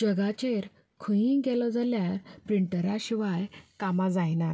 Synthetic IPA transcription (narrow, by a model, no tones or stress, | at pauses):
d͡ʑəɡat͡ɕeɾ | kʰəjĩɡɛlɔd͡zaljaɾpɾiɳʈəɾaɕiʋajkamad͡zajnaɾ